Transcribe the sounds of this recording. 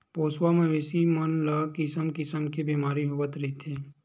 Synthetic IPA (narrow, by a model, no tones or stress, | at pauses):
poːswamẽʋeːsimənlakɪsəmkɪsəmkebiːmaːɾiɦoʋət̪ɾit̪ʰeː